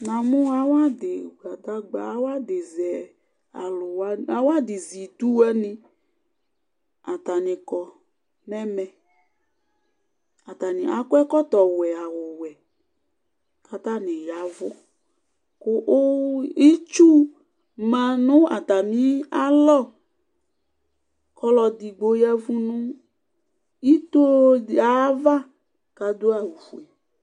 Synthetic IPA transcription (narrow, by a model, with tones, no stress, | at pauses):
na˨mʊ̃˦a˨wa˦dɪ˨ɡa˨ta˦ɡ͡ba˨˦wa˦dɪ˨zɛ˨ | a̰˨lʊ˨wa˦a˨˦wa˦dɪ˨zi˨t̪u˦ɛ˦nɪ̃˦ | a˨t̪a˨nɪ̃˨kɔ˨ | nɛ˦mɛ˨ | a˨t̪a˨nɪ̃˨a̰˨kʊ˦ɛ˦kɔ˦t̪ɔ˨wɛ˨a˨wʊ˨wɛ˨ | ka˨t̪a˦nɪ̃˨ja˨˦vʊ˦ | kʊ˦ʔi˦t͡ʃu˦ | mã˨nʊ̃˦a̰˨t̪a˨nĩ˨˦a˦lɔ˦˨ | kɔ˦lɔ˧d̪i˨ɡ͡bo˨ja˦vu˦nʊ̃˦ | i˦t̪o˦˨a˨˦va˦ | ka˨d̪o˦a˨wu˨fu˨ɛ˨